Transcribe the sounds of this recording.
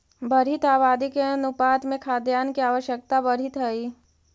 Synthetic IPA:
bɐɾ̤it̪aːbaːd̪ikeɐnʊpaːt̪mẽkʰaːd̪jaːnkiaːʋəʃjək̚t̪abɐɾit̪ɦɛiː

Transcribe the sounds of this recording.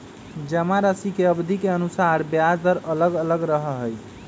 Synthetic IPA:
d͡ʒəmaɾəsikeəbd̪ʱikeənusaɾbjaɾt̪əɾələɡələɡɾəɦəɦəj

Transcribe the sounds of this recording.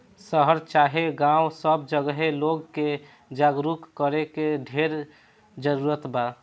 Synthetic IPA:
səɦəɾt͡ʃaːɦeɡãwsəb̚d͡ʒəɡɦeloɡke | d͡ʒaɡɾukkəɾekeɖʱeɾ | d͡ʒəɾuɾət̪ba

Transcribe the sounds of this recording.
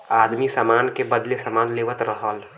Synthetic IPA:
aːd̪misamaːnkebəd̪lesamaːnleːʋət̪ɾəɦəl

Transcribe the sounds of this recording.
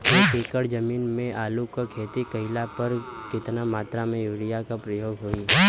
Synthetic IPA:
eːkeːkəɽd͡ʒɐmiːnmẽʔaːlukakʰeːt̪ikəɪlapɐɾ | kɪt̪namaːt̪ɾamẽjuːɽɪjakapɾəjoːɡɦoːi

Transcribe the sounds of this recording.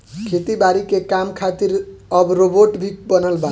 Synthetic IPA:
kʰet̪ibaɾikekamkʰat̪iɾʌbɾoboʈbʱikbʌnəlba

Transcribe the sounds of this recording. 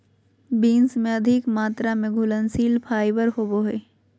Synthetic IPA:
biːnsmẽɐd̪ʱɪkmaːt̪ɾamẽɡʱʊlənsiːlpʰaːɪbəɾɦoboɦeː

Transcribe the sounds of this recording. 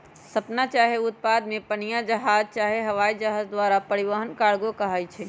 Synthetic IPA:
səpnat͡ʃaɦeʊt̪̚pad̪mepənijad͡ʒəɦad͡ʒt͡ʃaɦeɦəʋaid͡ʒəɦad͡ʒd̪waɾapəɾiʋəɦənkaɽɡokəɦəjt͡ʃʰɛ

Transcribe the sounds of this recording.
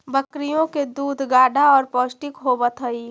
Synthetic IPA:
bəkɾijõked̪uːd̪ʱɡaːɖʱaɔːɾpɔːsʈɪkɦobət̪ɦəiː

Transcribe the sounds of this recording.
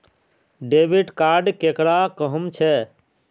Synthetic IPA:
ɖebiɖkaɾɖkekɽakəɦəmt͡ʃʰɛ

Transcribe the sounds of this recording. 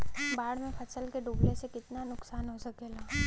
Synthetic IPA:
baːɽ̤mẽfʰɐsəlkeɖuːblesekɪt̪nanʊksaːnɦosɐkeːlaː

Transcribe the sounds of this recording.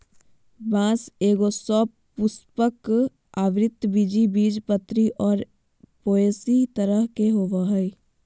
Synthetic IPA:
bãːseːɡosɔ | pʊspək | aːʋɾɪt̪ːbid͡ʒibiːd͡ʒpət̪ːɾiʔɔːɾ | poːeːsit̪əɾəɦkeɦoːʋaɦɛi

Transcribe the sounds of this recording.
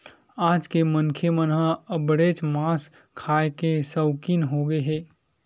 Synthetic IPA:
aːd͡ʒkemənkʰemənɦãəbɽeːt͡ʃmaːs | kʰaːekesəʊkiːnɦoɡəeɦɛː

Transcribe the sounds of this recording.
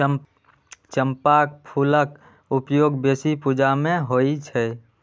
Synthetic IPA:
t͡ʃəmpak̚pʰulək | upjoɡbesipud͡ʒamẽɦoit͡ʃʰɛ

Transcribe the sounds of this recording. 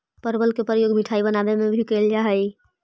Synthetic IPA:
pəɾbəlkepɾəjoɡmiʈʰaibənabemebʱikeld͡ʒaɦəj

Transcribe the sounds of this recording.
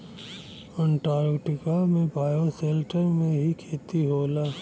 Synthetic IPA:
ɛ̃ɳʈaːɾɡʈɪkamẽbʱaːjoseːlʈəɾmẽɦikʰeːt̪iɦoːlaː

